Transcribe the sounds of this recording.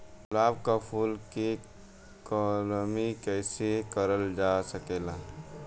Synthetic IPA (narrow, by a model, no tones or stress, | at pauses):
laːbkapʰuːlke | kɔːlmikɛːsekəɾəld͡ʒaːsəkeːlaː